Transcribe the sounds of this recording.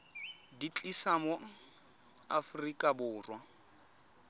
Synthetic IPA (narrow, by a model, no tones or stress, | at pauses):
dit͡ɬʼisamʊ | a̰frikʼabʊːrwa